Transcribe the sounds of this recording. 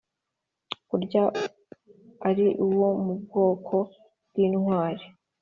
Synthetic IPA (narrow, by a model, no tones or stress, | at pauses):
kuɾɟa | aɾiʔuwo̞mub̚ɡo̞ːkʰo̞ | bɡ̥iːnŋwaːɾe